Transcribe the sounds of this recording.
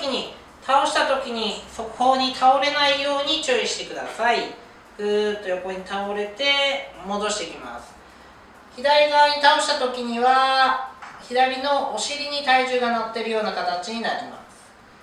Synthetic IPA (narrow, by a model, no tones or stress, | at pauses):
kʲiɲ̟i | t̪ʰaoɕi̥t̪at̪o̞kʲiɲ̟iso̞kɯ̥ho̞ːɲ̟it̪ʰao̞ɾe̞naijo̞ːɲ̟it͡ɕoːiɕi̥t̪e̞kɯ̟d̪asai | ɡ̥ɯ̟t̪ːo̞jo̞ko̞ɲ̟it̪aoɾe̞t̪e̞mo̞d̪o̞ɕi̥t̪e̞ikʲima̰sɨ̥ | çid̪aɾʲiɡaβaɲ̟it̪ao̞ɕi̥t̪at̪o̞kʲiɲ̟iβa | çid̪aɾʲino̞ʔːɕiɾʲiɲ̟it̪aiʑɨːɡanat̪ːe̞ɾɯjo̞ːnakat̪at͡ɕiɲ̟inaɾʲima̰sɨ̥